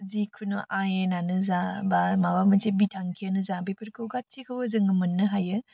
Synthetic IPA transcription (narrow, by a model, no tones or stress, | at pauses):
zikʰunoʔajenanɯzabamawamənt͡ʃʰebitʰaŋkʰijanɯzabepʰɯɾkʰɯwɡat̚t͡ʃʰikʰɯwəzɯŋɯmɯnːɯɦajɯ